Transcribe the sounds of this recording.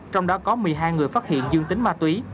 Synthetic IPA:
t͡ɕɔ˧wŋ͡mɗɔ˨˦kɔ˨˦mɨ˨˩əjɦaː˧jŋɨ˨˩əjfaː˦˥t̚hḭ˧˨ənzɨ˧əŋt̪ï˨˦ŋmaː˧t̪wi˨˦

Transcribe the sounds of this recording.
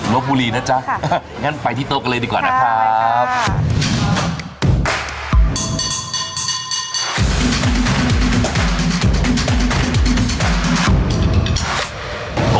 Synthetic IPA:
lo˦˥k̚buː˧liː˧naː˦˥˩t͡ɕa˦˥ | ŋaː˦˥˨npa˧jt̪ʰiː˥˩t̪oː˧˩ka˧nlɤː˧jdiː˧kwaː˨˩naː˦˥kʰɾa˦p̚

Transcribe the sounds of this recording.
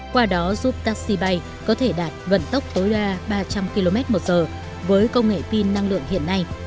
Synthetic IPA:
kwaː˧ɗɔ˨˦zuː˦˥p̚t̪aː˦˥k̚si˧ɓa˧j | kɔ˨˦t̪ʰe˧˩ɗaː˨˩t̚və̰˧˨nt̪ə˦˥wk͡p̚t̪əː˨˦jɗaː˧ɓaː˧t͡ɕa˧mki˧lo˧mɛ˦˥t̚mo˨˩t̚zəː˨˩ | vəː˨˦jkə˧wŋ͡mŋḛ˧˨fi˧nːa˧ŋlɨ̰˧˨əŋhḭ˧˨ənːa˧j

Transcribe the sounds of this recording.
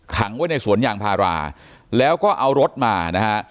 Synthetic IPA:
kʰa˩˦ŋwa˥˦˥jna˧jsu˩˦ənjaː˨˩ŋpʰaː˧ɾa̰ː˧ | lɛː˦˥wkɔː˥˩ʔa˧wɾo˦˥t̪̚maː˧na˦˥kʰa˦˥ʔ

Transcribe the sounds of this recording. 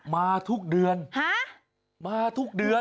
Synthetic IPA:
maː˧t̪ʰu˦˥k̚dɯ˧ənha˦˥ | maː˧t̪ʰu˦˥k̚dɯ˧ə

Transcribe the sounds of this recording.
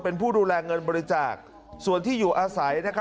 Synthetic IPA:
pe˧npʰuː˥˩duː˧lɛː˧ŋɤ˧nbɔː˧ɾi˦t͡ɕaː˨˩k̚ | su˨˩ənt̪ʰiː˥˩juː˨˩ʔaː˧sa˩˦jna˥kʰa˦

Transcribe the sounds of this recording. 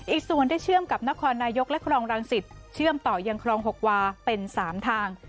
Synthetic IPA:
ʔiː˨˩k̚su˨˩ənda˥˩jt͡ɕʰɯ˥˩əmka˨˩p̚na˦˥kʰɔː˧nːaː˧jo˦˥k̚lɛ˦˥kʰɾɔː˧ŋɾaː˧ŋsi˨˩t̪̚t͡ɕʰɯ˥˩əmt̪ɔː˨˩ja˧ŋkʰɾɔː˧ŋɦo˨˩k̚waː˧pe˧nsaː˩˦mt̪ʰaː˧ŋ

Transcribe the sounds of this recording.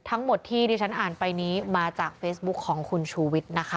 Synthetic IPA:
t̪ʰa˦˥ŋmo˨˩t̪ʰːiː˥˩diː˧t͡ɕʰa˦˥nʔaː˨˩npa˧jniː˦˥maː˧t͡ɕaː˨˩k̚feː˦˥sbu˦˥kʰːɔː˩˦ŋkʰu˧nt͡ɕʰuː˧wi˦˥t̪̚na˦˥kʰa˦˥

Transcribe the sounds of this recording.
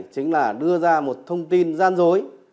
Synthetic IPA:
t͡ɕï˨˦ŋ̟laː˨˩ɗɨ˧əzaː˧mo˨˩t̚t̪ʰə˧wŋ͡mt̪i˧nzaː˧nzo˨˦j

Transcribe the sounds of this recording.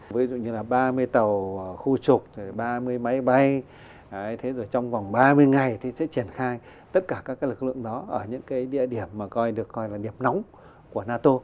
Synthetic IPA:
vi˨˦zṵ˧˨ɲɨ˧laː˨˩ɓaː˧mɨ˧əjt̪ə˨˩wxu˧t͡ɕʊ˨˩k͡p̚t̪ʰɓaː˧mɨ˧əjma˨˦jɓa˧j | a˨˦jt̪ʰe˨˦zo˨˩jt͡ɕɔ˧wŋ͡mva˨˩wŋ͡mɓaː˧mɨ˧əjŋa˨˩jt̪ʰi˨˩sɛ̰˧˥t͡ɕi˧˩ənxaː˧j | t̪ə˦˥t̚kaː˧˩kaː˦˥kaː˦˥klɨ˨˩k̚lɨ̰˧˨ə˨ŋɗɔ˨˦ʔəː˧˩ɲɨ̰˧˥ŋkaː˨˦jɗḭ˧˨əɗi˧˩əmːaː˨˩kɔ˧jɗɨ˨˩əkːɔ˧jlaː˨˩ɗi˨˩əp̚na˨˦wŋ͡m | ku˧˩ənaː˧t̪o˧

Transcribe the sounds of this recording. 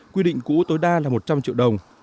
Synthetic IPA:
kwi˧ɗḭ˧˨ŋ̟kṵ˧˥t̪o˨˦jɗaː˧laː˨˩mo˨˩t̚t͡ɕa˧mt͡ɕḭ˧˨əwɗə˨˩wŋ͡m

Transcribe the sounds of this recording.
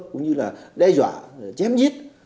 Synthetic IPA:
kʊ̰˧˥ŋ͡mɲɨ˧laː˨˩ɗɛ˧zwa̰ː˧˨t͡ɕɛ˨˦mzi˦˥ət̚

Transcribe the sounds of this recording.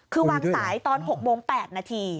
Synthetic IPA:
kʰɯː˧waː˧ŋsaː˩˦jt̪ɔː˧nɦo˨˩k̚moː˧ŋpɛː˨˩t̪̚naː˧t̪ʰiː˧

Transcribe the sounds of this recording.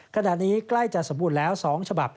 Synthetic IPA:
kʰa˧na˨˩t̪̚niː˦˥kla˥˩jt͡ɕa˨˩so˩˦mbu˧˩t̪lɛː˦˥wsɔː˩˦ŋt͡ɕʰa˧ba̰˨˩p̚

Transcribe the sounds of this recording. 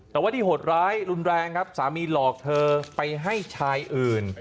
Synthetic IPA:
t̪ɛː˨˩waː˥˩t̪i˥˩ho˨˩t̪̚ɾaː˦˥jɾu˧nɾɛː˧ŋkʰa˦˥p̚saː˩˦miː˧lɔː˨˩k̚t̪ʰɤː˧pa˧jɦa˥˩jt͡ɕʰaː˧jʔɯː˨˩n

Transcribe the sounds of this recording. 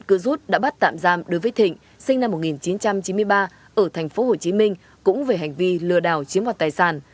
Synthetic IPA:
t̚kɨ˧zu˦˥t̚ɗa̰ː˧˥ɓa˦˥t̚t̪a̰ː˧˨mzaː˧mɗo˨˦jvəː˨˦jt̪ʰḭ̈˧˨ŋ̟ | sï˧ŋna˧mːo˨˩t̚ŋi˨˩nt͡ɕi˨˦nt͡ɕa˧mt͡ɕi˨˦nmɨ˧əjɓaː˧ | ʔəː˧˩t̪ʰɛ˨˩ŋ̟fo˨˦ho˨˩t͡ɕi˨˦mï˧ŋ̟ | kʊ̰˧˥ŋ͡mve˨˩ɦa˨˩jŋ̟vi˧lɨ˧˩əɗa̰ː˧˨˩wt͡ɕi˨˦əmhwaː˨˩t̪aː˨˩jsaː˧˩n

